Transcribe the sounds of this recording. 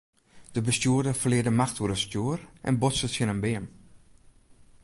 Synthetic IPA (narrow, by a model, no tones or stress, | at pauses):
d̥əbəstjuədərfərlɪədəmaxtʰuəɾəstjuərʔɛ̰nbosətsjənənbɪəm